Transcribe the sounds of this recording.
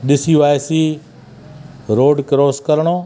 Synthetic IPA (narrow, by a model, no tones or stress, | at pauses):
ɗɪsiʋaːjsiː | ɾoːɖkɾoːskɐɾɽ̃oː